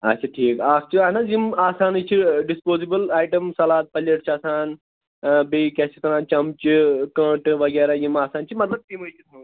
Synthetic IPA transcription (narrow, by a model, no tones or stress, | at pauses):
ɐ̰t͡ʃʰaʈʰiːkaːst͡ʃiaːnazimaːsaːnit͡ʃʰiɖispoːzibəlaːjʈɐmsɐlaːt̪̚pɐljɐʈt͡ʃʰaːsaːn | bekʲɛːsikɐɾaːnt͡ʃɐmt͡ʃikɐ̃ːʈʋɐɡeːɾajimaːsaːnt͡ʃʰimɐt̪lɐb̚t̪imət͡ʃʰit̪mɐ